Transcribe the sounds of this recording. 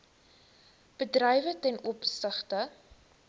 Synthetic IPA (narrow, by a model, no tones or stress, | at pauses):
b̥ədrɛjvətɛnʔɔpstəχtə